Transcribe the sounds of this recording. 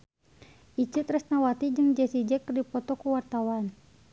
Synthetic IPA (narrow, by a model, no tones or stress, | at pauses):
ʔit͡ʃɨt̪rəsnawat̪id͡ʒɨŋd͡ʒɛsid͡ʒɛkərdipɔt̪ɔkuwart̪awan